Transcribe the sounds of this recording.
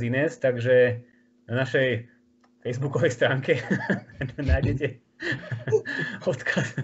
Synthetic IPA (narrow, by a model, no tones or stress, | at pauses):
zinɛːst̪aɡʒɛ | anaʃɛj | fɛjzbukɔʋɛjst̪ɾaːŋkɛ | najɟɛcɛ | ɔt̪kʰas